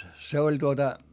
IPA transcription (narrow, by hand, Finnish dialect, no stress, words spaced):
se olʲ tuotɑ